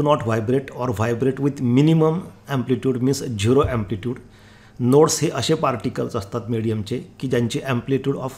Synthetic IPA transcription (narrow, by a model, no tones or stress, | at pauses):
unɔʈʋajbɾeʈɔɾʋajbɾeʈʋid̪miniməmæ̃mpliʈjuːɖmisd͡ʑiɾoʔæ̃mpliʈjuːɽ | noɽsheʔəɕepaɾʈikəlsəst̪at̪miɽijəmt͡sekiːd͡ʑjaɲt͡ɕiʔɛmpliʈjuːɽɔf